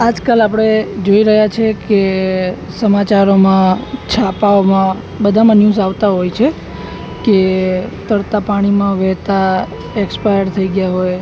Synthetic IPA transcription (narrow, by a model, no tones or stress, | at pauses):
ad͡ʒkalapɽ̃ed͡ʒoiɾəɦjat͡ʃʰeke | səmat͡ʃaɾomãt͡ʃʰapaomã | bəd̪ʱamənjũsaʋt̪aɦojt͡ʃʰe | ket̪əɽt̪apaɽ̃imãʋɛɦt̪a | ekspajəɽt̪ʰəiɡjaɦoj